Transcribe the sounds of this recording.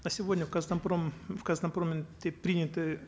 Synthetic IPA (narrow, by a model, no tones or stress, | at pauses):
ɐsʲɪvodʲnʲəfkɐznɐmpɾomfkɐznɐmpɾomʲɪnt̪ʲepɾʲinʲɪt̪ɨ